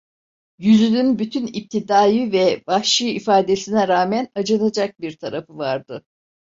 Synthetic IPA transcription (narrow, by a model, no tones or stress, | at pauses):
jyzynynbyt̪ʰynip̚t̪ʰid̪aːjɯvɛbahʃɯifaːd̪esinɛɾaːmænad͡ʒanad͡ʒak̚biɾt̪ʰaɾafɯvaɾd̪ɯ